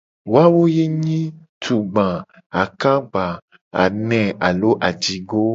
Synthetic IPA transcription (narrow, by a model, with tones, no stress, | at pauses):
wo˦a˦wo˦je˦ɲĩ˦ | t̪ʰu˨ɡ͡bã˨ | a˨kã˦ɡ͡ba˨ | a̰˨nɛ̃˨a˨lo˦ʔa˨d͡ʒi˨ɡo˦